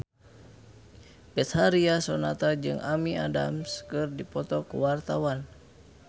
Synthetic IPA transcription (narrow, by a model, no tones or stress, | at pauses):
bɛt̪haɾiasɔnat̪ad͡ʒɨŋʔamiada̰mskɨrdipɔt̪ɔkuwart̪awan